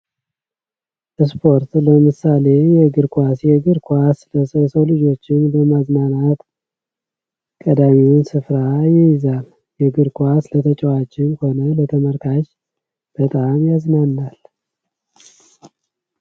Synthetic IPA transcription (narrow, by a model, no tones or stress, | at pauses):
ʔɨs̬pʰo̞ɾt̪ləmɨsale̞jɛɡɨɾkʰʷasjɛɡɨɾkʰʷasləsəsəwlɨd͡ʒo̞t͡ʃːɪnləmaznanat̪ | kʼəd̪amiwnsɨfɾajɪjɪzal | jɛɡɨɾkʰʷaslət̪ʰət͡ʃʼəwat͡ʃʼːɪnho̞nələt̪ʰəməɾkʰaʃ | b̥ət̪ʼamjaznanːal